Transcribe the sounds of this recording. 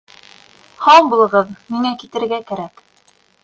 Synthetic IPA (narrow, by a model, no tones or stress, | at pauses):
hɑɴbulˠɤ̆ʁɤðmiŋækit̪ɘ̆ɾɡækæɾæk